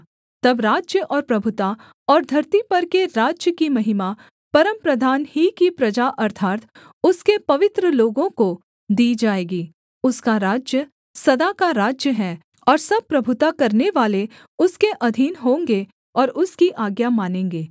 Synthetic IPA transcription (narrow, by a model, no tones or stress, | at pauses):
t̪ɐbɾaːd͡ʒjəʔɔːɾpɾɐbʱʊt̪a | ɔːɾd̪ʱɐɾt̪ipɐɾkeɾaːd͡ʒjəkimɐɦɪma | pɐɾəmpɾɐd̪ʱaːnhikipɾɐd͡ʒaʔɐɾt̪ʰaːt̪ | ʊskepɐʋɪt̪ɾəloːɡõko | d̪iːd͡ʒaːeːɡiː | ʊskaɾaːd͡ʒjə | sɐd̪akaɾaːd͡ʒjəɦɛː | ɔːɾsɐb̚pɾɐbʱʊt̪akɐɾneʋaːle | ʊskeʔɐd̪ʱiːnɦõːŋɡe | ɔːɾʊskiʔaːɡjamaːnẽːŋɡeː